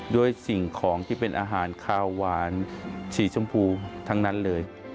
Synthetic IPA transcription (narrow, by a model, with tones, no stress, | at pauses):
du˥˩əjsi˨˩ŋkʰɔː˩˦ŋt̪ʰiː˥˩pe˧nʔaː˧ɦaː˩˦nkʰaː˧waː˩˦nt͡ɕʰiː˩˦t͡ɕʰu˧mpʰuː˧t̪ʰa˦˥ŋna˦˥nlɤː˧j